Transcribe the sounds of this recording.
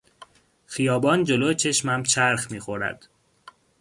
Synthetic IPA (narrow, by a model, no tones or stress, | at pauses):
xijɒːbɒːnd͡ʒe̞loːt͡ʃʰe̞ʃmæmt͡ʃʰæɾxmiːxo̞ɾæ̰d̪̥